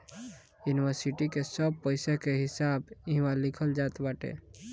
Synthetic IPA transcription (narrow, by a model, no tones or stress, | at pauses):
juniwəɾsiʈikesəb̚pəɪsekeɦɪsabiɦmalɪkʰəld͡ʒat̪baʈḛ